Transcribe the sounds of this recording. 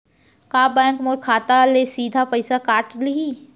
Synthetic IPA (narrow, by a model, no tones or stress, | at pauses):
kaːbɛ̃ːŋkmɔːɾkʰaːt̪alesiːd̪ʱapəɪsakaːʈliiː